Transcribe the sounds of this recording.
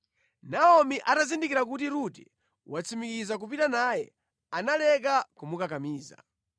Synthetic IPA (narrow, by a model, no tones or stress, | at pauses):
naɔmiʔatazindikiɾakutiɾuti | wat͡sʰimikizak̬upitanaːjɛ̰ | analɛkakumukakamiːza̰